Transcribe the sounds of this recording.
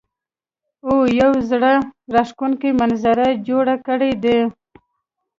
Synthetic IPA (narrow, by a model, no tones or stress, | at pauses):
ojawzɽaɾaʂkunkimanzaɾad͡ʒoɽakəɽed̪e